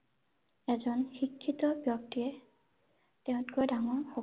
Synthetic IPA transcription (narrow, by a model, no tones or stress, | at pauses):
ɛzɔnxikʰːitɔbjɔk̚tiɛ | tɛʊ̃tkɔjdaŋɔɹxɔ